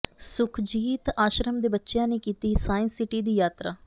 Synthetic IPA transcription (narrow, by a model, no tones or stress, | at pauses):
sʊkʰd͡ʒiːt̪aːʃɾəmd̪eːbətːʃjãːneːkiːt̪iːsaːɪnsɪʈiːd̪iːjaːt̪ɾaː